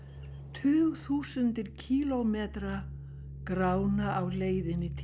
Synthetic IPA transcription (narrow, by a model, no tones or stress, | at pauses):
t̪ʰʏːɣθuːsʏnt̪ɪɾ̥cʰiːlomɛːt̪ɾa | kɾaːwnaʔawleːjðɪnːɪt̪ʰ